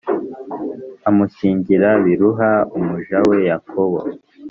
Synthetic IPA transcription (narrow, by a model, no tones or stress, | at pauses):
amuciːɲɟiɾaβiɾuɦaumuʒawe̞jakʰoβo̰